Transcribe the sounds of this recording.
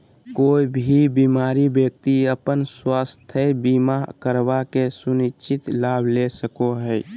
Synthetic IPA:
koibʱibimaɾibjək̚t̪iəpənswast̪ʰəbimakəɾbakesunit͡ʃʰit̪laːbʱlesəkoɦəj

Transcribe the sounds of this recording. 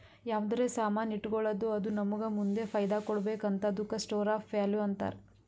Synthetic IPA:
jaːʋd̪ɐɾeːsaːmaːniʈːɡɔɭɐd̪uɐd̪unɐmuɡɐmund̪e̞pʰɐjd̪akɔɽɐbeːkɐnt̪ɐd̪ukɐsʈoːɾaːpʋjaːljuɐnt̪a̰ːɾe

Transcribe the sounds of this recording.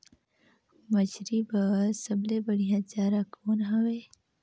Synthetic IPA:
mɐt͡ʃɾibɐsɐblebɐɽijãd͡ʒaːɾakʰoːnɦɐweː

